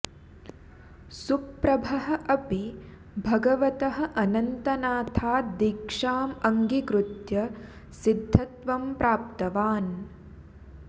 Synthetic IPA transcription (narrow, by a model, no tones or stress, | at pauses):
supɾɐbʱɐɦɐ̆ʔɐpi | bʱɐɡɐʋɐt̪ɐɦɐ̆ʔɐnɐnt̪ɐnaːt̪ʰaːd̪ikʂaːmɐŋɡikɾut̪jɐ | sid̪ʱːɐt̪ʋɐmpɾaːp̚t̪ɐʋaːn